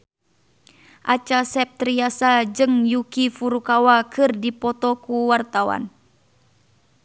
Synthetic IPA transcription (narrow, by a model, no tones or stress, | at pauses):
ʔat͡ʃasɛp̚t̪ɾiasad͡ʒɨŋjukifuɾukawakɨrdipɔt̪ɔkuwart̪awa̰n